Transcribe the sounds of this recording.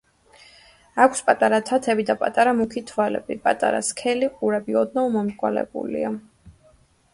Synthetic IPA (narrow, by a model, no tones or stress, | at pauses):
akʰspʼat̪ʼaɾat̪ʰat̪ʰɛbid̪apʼat̪ʼaɾamukʰit̪ʰvalɛ̰bipʼat̪ʼa̰ɾa̰skʰɛliqʼuɾɛbiɔd̪naumɔmkʼwa̰lɛ̰bṵlḭa